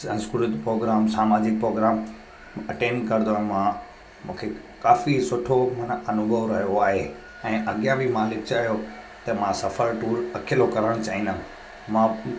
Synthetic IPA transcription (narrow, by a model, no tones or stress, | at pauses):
ɐ̃nskuɾət̪pɾoːɡɾaːmsaːmaːd͡ʑɪk̚pɾoːɡɾaːm | ɐʈẽːnɖkɐɾɪd̪oaɦmã | mũːkʰe | kaːfisʊʈʰomɐnʔɐnʊɡʱəʋɾɐɦjoaːɦe | ɛ̃ːʔɐɠijãbʱimaːlɪkt͡ɕaːɦijo | t̪ɐmãsɐfəɾʈuːɾɐkʰɪlokɐɾəɽ̃t͡ɕaːɦĩnd̪ã | mã